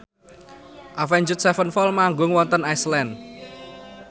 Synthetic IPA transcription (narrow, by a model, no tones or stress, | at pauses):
ʔafɛɲd͡ʒʊt̪̚sɛfənfɔlmaŋɡʊŋwɔnt̪ənajslɛn